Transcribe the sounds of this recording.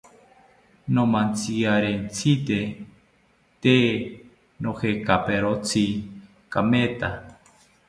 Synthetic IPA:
nomãnt͡siaɾent͡sʰit̪e | t̪e | nohekapeɾot͡sʰi | kamet̪a

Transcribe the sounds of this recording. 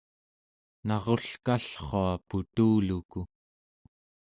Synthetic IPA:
nɑʁo̞ɬkaɬχoaput̪uːluku

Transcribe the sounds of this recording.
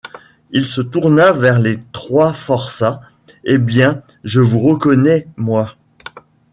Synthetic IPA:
ilsət̪uʁnavɛʁlet̪χwafɔʁsa | ebjɛ̃ | ʒəvuʁəkɔnɛmwa

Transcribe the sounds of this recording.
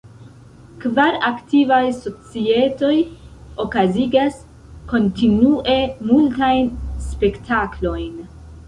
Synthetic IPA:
kvaɾaktivajso̞t͡sie̞to̞jo̞kaziɡas | ko̞ntinuʔe̞multajnspe̞ktʰaklo̞jn

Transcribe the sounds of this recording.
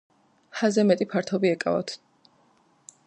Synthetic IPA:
hazɛmɛt̪ʼipʰaɾt̪ʰɔbiɛkʼa̰va̰t̪ʰ

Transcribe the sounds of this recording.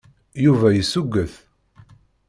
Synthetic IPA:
juvæjəsːuɡːəθ

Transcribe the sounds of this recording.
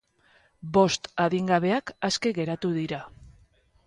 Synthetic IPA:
bo̞st̪aðiŋɡaβ̞e̞akaske̞ɣe̞ɾat̪uðiɾa

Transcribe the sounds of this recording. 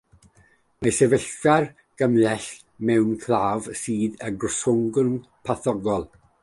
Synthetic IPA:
masɛvəɬar | ɡ̥əmlɛɬ | mɛwnkʰlˠaːvsiːðəɡrʊsʊŋɡʊnpʰaθɔɡɔlˠ

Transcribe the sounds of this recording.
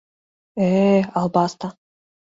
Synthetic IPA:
eɑlˠbɑst̪ɑ

